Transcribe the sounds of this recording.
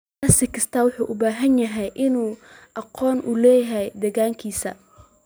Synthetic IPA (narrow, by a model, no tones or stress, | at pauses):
aːsɪkʰɐst̪ʰaːwʊħuːʔʊbaːɦɐnjɐɦɛjʔɪnuːʔɑqɔːnʔʊlɛːjɦɛjd̪ɛɣaːŋkʰiːsɐ̰